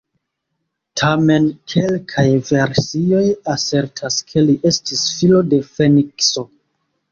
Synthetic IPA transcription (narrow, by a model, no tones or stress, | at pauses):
tʰame̞nkʰe̞lkʰajve̞ɾsio̞jase̞ɾtʰaskʰe̞liʔe̞stisfilo̞de̞fe̞nikso̞